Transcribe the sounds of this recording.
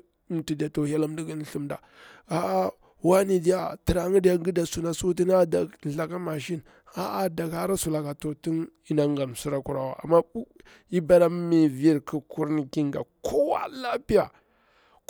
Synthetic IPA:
ti˨di˨a˨to˨hi˦a˦la˦m˦di˦ɡi˦n˦ɬu˦mda̰˨ | a˦ʔa˦ | wa˦ni˨di˦ja˦ti˨ɾa˨˦ŋi˦di˦ja˦ɡi˦da˨su˨na˨su˦t̬i˦na˦da˨ɬa˨ka˦ma˨ʃi˦n | a˦ʔa˦da˨ka˦ɾa˦su˨la˨ka˨to˨ti˦ni˦na˦ŋɡa˨m˨su˦ɾa˦ku˨ɾa˨wa̰˨ʔa̰˨mːa˦u˦ | i˦ba˦ɾa˦mi˨vi˦ɾki˨ku˦ɾni˨ki˦ŋɡa̰˨ko˦wa̰˦la˦pi˦ja˨

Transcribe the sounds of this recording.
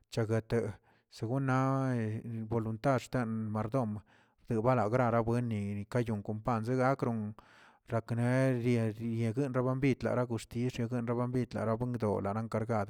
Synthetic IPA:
t͡ʃa˨ɡe˨t̪e˨ | se˨ɡu˦nːa˦ | bo˧˨lu˧nt̪a˦˧ɾʂt̪e˦nma˨ɾd̪o˦˨m | ɾd̪ɨ˨ba˦la˨ɡɾa˧ɾa˦bwe˦nːi˨ka˦ju˨ŋko˨mpa˦˧˨nze˦ɡa˦kɾo˧ŋ | ɾa˨˧kne˦ɾe˧ɾje˨ɡɨ˦nɾa˦ba˦mbi˦˧t̪la̰˨ɾa˦ɡu˧st̪i˦sɾje˧ɡɨ˦nɾa˦ba˦mbi˦t̪la̰˨ɾa˦bwe˦ŋɡd̪o̰˨la˨ɾa˦ŋka˧ɾɡa˦˨d̪

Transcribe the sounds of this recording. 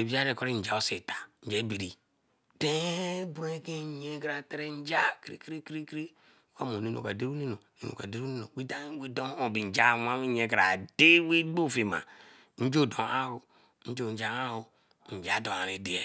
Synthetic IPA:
e˨bi˦a˦ɾe˨ko˦ɾi˦n̩˨d͡ʒa˨o˦se˨tḁ˨n̩˦d͡ʒɛ˦bi˨ɾi˨ | de˦bo˦e˦ke˦˨˦ɲe˦kɾa˨te˦ɾe˦n̩˦d͡ʒa˦kɾḭ˦ki˦ɾi˦kɾi˦kɾi˦ | ko˦mo˨ne˦no̰˨ka˨de˦ɾu˦ne˦no˨nḛ˦no̰˨ka̰˨de˦ɾu˦ne˦no˨we˦da˦we˦do˦o˨bi˨n̩˨d͡ʒa˦˨˦a˦wi˦ɲe˨kɾa̰˨de˦we˦ɡ͡bo˦˨fe˨ma̰˨ | n̩˦d͡ʒo˦˨do˨a˦hu˨ | n̩˦d͡ʒo˦˨d͡ʒa˨˦a˦hu˨ | n̩˨d͡ʒa˨˦do˨a˨ɾe˨di˨e˨

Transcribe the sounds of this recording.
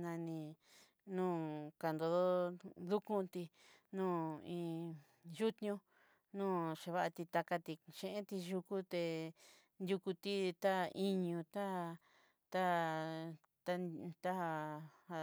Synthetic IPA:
nã˧nĩ˧ | nũː˦ka˧˨nd̪o˧ðo˦d̪u˦kũ˦t̪i˧ | nũː˦˨ĩ˧ | ʒu˦t̪ɲũ˦ | nũː˦˨ʂe˧βa˦ʔa˧t̪i˧t̪a˧ka˧t̪i˧ʃẽ˧ʔẽ˦t̪i˧ʒu˧ku˦t̪e˧ | nd̪ʲju˧ku˧t̪i˦t̪a˦i˦ɲũ˧t̪a˦˧ | t̪a˦ | t̪a˦t̪a˦a˧ha˧

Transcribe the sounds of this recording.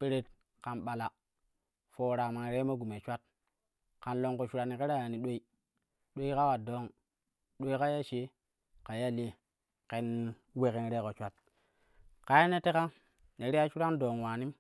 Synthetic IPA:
pe˦ɾe˦t̚ | ka˨nɓa˨la˨ | foː˨ɾa˨ma˨n˨ɾe˦ma˦ɡu˨me˨t͡ʃʷa˦t̚ | ka˨nlo˨ŋko˨t͡ʃu˦ɾa˨ni˨ke˦ɾa˦ja˨ni˨ɗo˦i˦ | ɗo˦i˦ka˦ka˨do˦ŋ | ɗo˦i˦ka˦ja˦t͡ʃe˦ | ka˨ja˦˨le˦ | ke˨n | we˨ke˨n˨ɾe˦ko˨t͡ʃʷa˦t̚ | ka˨ja˦ne˦te˦ka˦ | ne˨ɾe˦ja˦t͡ʃu˦ɾa˦ndoː˨ŋwaː˨ni˦m

